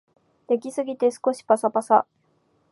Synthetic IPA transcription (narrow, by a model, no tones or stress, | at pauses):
d̪̥e̞kʲisɨɡʲit̪e̞sɨ̥ko̞ɕi̥pasapasa